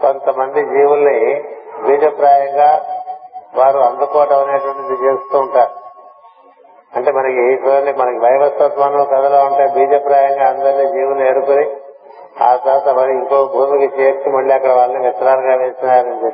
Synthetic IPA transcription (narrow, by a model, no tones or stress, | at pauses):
ko̞nt̪ɐmɐnd̪id͡ʒiːʋulɐnibiːd͡ʒɐpɾaːjɐŋɡaː | ʋaːɾuɐnd̪ukoːʈɐɐneːʈɐʋɐʈid̪it͡ʃeːust̪uːɳʈaːɾu | ɐɳʈe̞ːmɐnɐkit͡ʃuːɐɳɖimɐnɐkiʋɐjʋɐt̪ːɐt̪maːnɐlkɐd̪ɐloːuɳʈaːbiːd͡ʒɐpɾaːjɐŋɡaːɐnd̪ɐɾniːd͡ʒiːʋulnieɽukoni | a̰ːsɐːt̪ɐʋɐɽiiŋkoːkumukit͡ʃet͡ʃːimɐɭːiɐkːɐɽɐʋaːɭɐnikɐt̪ːɐɾaːɾɡaːʋeːst̪unaːɾɐnd̪i